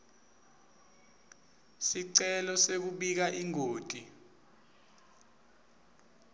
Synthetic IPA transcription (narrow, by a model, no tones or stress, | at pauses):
siǀɛlɔsek̬uɓik̬aʔiŋoːtʼi